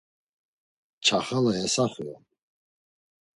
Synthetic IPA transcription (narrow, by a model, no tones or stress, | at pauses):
t͡ʃʰaχalajɛsaχua